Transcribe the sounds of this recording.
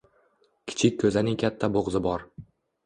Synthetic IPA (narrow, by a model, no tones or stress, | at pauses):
kʲʰɪ̥t͡ʃʰɪkʲːʰɵzɪnɪŋkʲʰat̪ʰːaboʁzɪbɒɾ